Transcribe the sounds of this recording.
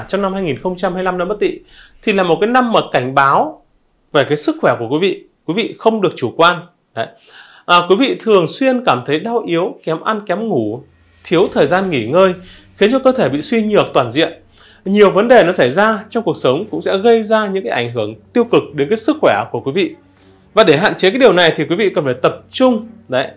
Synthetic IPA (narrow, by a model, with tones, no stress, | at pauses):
t͡ɕɔ˧wŋ͡mna˧mhaː˧jŋi˨˩nxə˧wŋ͡mt͡ɕa˧mhaː˧jla˧mna˧mə˦˥t̚t̪ḭ˧˥˨ | t̪ʰi˨˩laː˨˩mo˨˩t̚kaː˨˦jna˧mːaː˨˩ka˧˩jŋ̟ɓaː˨˦w | ve˨˩kaː˨˦jsɨ˦˥k̚xwɛ˧˩ku˧˩əkwi˨˦vḭ˧˨kwi˨˦vḭ˧˨xə˧wŋ͡mɗɨ˨˩ək̚t͡ɕu˧˩kwaː˧n | ɗə˨˦j | ʔəː˨˩kwi˨˦vḭ˧˨t̪ʰɨ˨˩əŋswi˧ənkaː˧˩mt̪ʰə˨˦jɗa˧wʔi˨˦əwkɛ˨˦mʔa˧nkɛ˨˦mŋu˧˩ | t̪ʰi˨˦əwt̪ʰəː˨˩jzaː˧nŋi˧˩ŋəː˧j | xi˨˦ənt͡ɕɔ˧kəː˧t̪ʰe˧˩ɓḭ˧˨swi˧ɲɨ˨˩ək̚t̪waː˨˩nzḭ˧˨əm | ɲi˨˩əwvə˨˦nɗe˨˩nɔ˨˦sa˧˩jzaː˧t͡ɕɔ˧ŋ͡mku˨˩ək̚sə˨˦wŋ͡mkʊ̰˧˥ŋ͡msɛ̰˧˥ɣə˧jzaː˧ɲɨ̰˧˥ŋkaː˨˦jʔa˧˩jŋ̟ɦɨ˧˩əŋt̪i˧əwkɨ˨˩k̚ɗe˨˦nkaː˨˦jsɨ˦˥k̚xwɛ˧˩ku˧˩əkwi˨˦vḭ˧˨ | vaː˨˩ɗe˧˩ɦa̰ː˧˨nt͡ɕe˧˦kaː˨˦jɗi˨˩əwna˨˩jt̪ʰi˨˩kwi˨˦vḭ˧˨kə˨˩nfaː˧˩jt̪ə˨˩p̚t͡ɕʊ˧ŋ͡mɗə˨˦j